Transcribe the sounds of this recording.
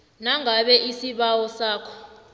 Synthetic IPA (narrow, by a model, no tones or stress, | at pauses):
naŋʱaɓɛʔisiɓawɔsaːkʰɔ̥